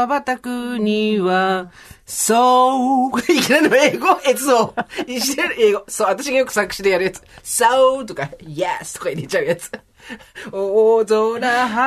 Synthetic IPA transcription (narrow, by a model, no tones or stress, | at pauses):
abat̪akɯ̟ɲiβa | so | ikʲinanoeːɡoʔesɨoiɕit̪eɾɯeːɡosoːat̪aɕ̬iɡajok̟sakɯ̟ɕid̪ejaɾɯjat͡sɨ̥sat̪okajasɨ̥t̪okaiɾet͡ɕaɯ̟jat͡sɨ̥ | oːzonaɦa